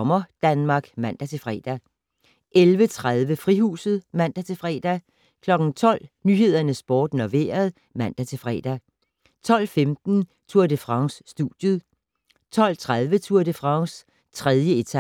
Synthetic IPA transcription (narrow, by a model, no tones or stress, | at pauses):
mɐd̥ænmɑ̈ːɡ̥mæn̰d̥æt͡sʰe̝fʁɛ̰ːd̥æ | ʔelʋət͡sʰʁaðˠʋəfʁiɦṵːsð̩ˠmæn̰d̥æt͡sʰe̝fʁɛ̰ːd̥æ | kʰlɒ̽ɡ̥n̩t͡sʰɒ̽l̰nyɦe̝ð̞̰ˠɐnəsb̥ɒːd̥nɒʋe̝̰ːɐð̞ˠ | mæn̰d̥æt͡sʰe̝fʁɛ̰ːd̥æ | t͡sʰɒ̽l̰femd̥n̩ | t͡sʰuɐ̰d̥efʁɑ̈ŋsːd̥ud̥jəð̩ˠ | t͡sʰɒ̽l̰t͡sʰʁaðˠʋət͡sʰuɐ̰d̥efʁɑ̈ŋs | t͡sʰʁɛðˠjəet͡sʰæ